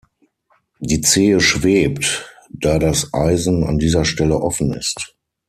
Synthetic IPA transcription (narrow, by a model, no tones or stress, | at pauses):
d̥iːt͡seːəʃv̥eːptd̥aːdasʔaɪzn̩a̰ndiːzɐʃtɛləʔɔfn̩ɪ̰st